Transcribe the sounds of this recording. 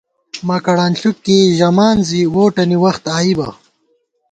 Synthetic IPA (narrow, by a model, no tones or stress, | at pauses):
maːkɐɽaːnɬukːiʒɐmaːnziwoːʈɐniwɐxt̪aːibɐ̰